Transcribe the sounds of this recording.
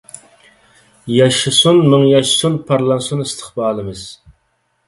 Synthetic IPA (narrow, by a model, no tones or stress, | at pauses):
jɑʃɨsunmɨŋjɑʃsunpʰɑɾlˠɑnsunist̪ʰə̥χbɑːlˠɨmɨz̥